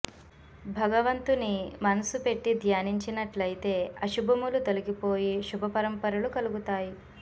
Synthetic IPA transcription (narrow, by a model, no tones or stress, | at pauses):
bʱɐɡɐʋɐnt̪unimɐnɐsupe̞ʈːid̪ʱjaːniɲt͡ʃinɐʈlɐjit̪e̞ːɐʃubʱɐmulut̪olukipo̞ːjiʃubʱɐpɐɾɐmpɐɾɐlukɐluɡut̪aːji